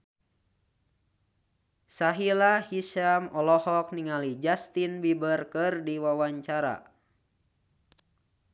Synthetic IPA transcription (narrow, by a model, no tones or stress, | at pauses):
saɦilahiʃamɔlɔhɔk̚niŋalid͡ʒast̪inbibərkɨrdiwawaɲt͡ʃaɾa̰